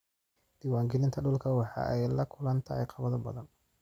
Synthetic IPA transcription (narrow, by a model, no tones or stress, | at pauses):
d̪̥iːwaːŋɡɛlɪnt̪ʰɐɖʊlkʰɐwɑħɑ̰ʔɛjlɐkʰʊlɐnt̪ʰɐɛjqʰɑβɐðɔbɐðɐn